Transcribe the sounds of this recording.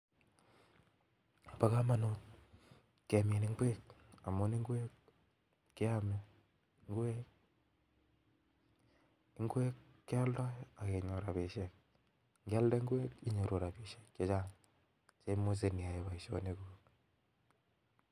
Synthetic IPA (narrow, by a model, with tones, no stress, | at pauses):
pa˦ka˦ma˨not | ka˨me˨ni˦ŋɡwe˦k̚a˨mo˦ni˦ŋɡwe˦k̚ | ki˦a˦me˦ | ŋɡwe˦k̚ | ŋɡwe˦kːja˦lda˦ja˨ke˨ɲo˨ɾa˨βe˨ʃek̚ | ŋɡa˦lde˦ŋɡwe˦ki˦ɲo˨ɾo˨ɾa˨pi˨ʃe̥˨kːje˦t͡ʃa˦ŋ | t͡ʃe˦mo˦s̬e˨ni˨a˨e˦βa˨i˨ʃo̰˦ne˦kuː˦k